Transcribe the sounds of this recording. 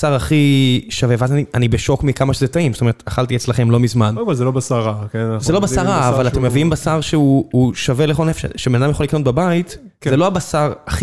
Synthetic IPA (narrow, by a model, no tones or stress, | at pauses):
saʁaχiʃaveveazanianibeʃo̞kmikamaʃezetaimzotoe̞ʁet̪aχaltiet͡slaχe̞mlo̞mizmanobazelobasaʁakenazelo̞basaʁaːvalat̪emːeviimbasaʁʃeuuʃaveleχonefʃḛʃebenadamjaχolikno̞t̚babait | zeloabasaʁaχi